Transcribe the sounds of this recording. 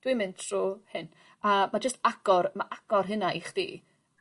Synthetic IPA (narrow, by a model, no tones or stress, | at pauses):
d̥wimɨntʰr̥uːhɨn | amad͡ʒəstaɡ̥ɔrmaʔaɡ̥ɔrɦɨnaʔiχd̥ḭː